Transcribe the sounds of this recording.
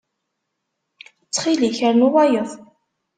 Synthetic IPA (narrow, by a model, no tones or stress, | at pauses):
ət͡sːχiliçəɾnuwæjəðˤ